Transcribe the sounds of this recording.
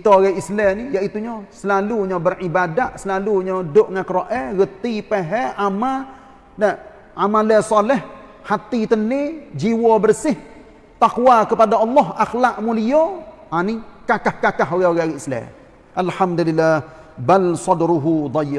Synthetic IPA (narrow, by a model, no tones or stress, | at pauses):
kit̪ooɣɛʔislɛnijaʔit̪uɲɔsəlaluɲɔbərʔibadaʔsəlaluɲɔdʊʔŋakəɾoʔɛɣət̪ipeɦɛama | na | ʔamalɛsɑlɛh | hat̪it̪əned͡ʒiwɔbərsɪh | t̪aquwakəpadaɑlːɔɦaxlaʔmulijɔ | anikakahkakaɦoɣɛoɣɛaɣɛislɛ̰ | ʔalhamd̪ulilːah | balsɑdɾuɦud̪ˤɑjːɪ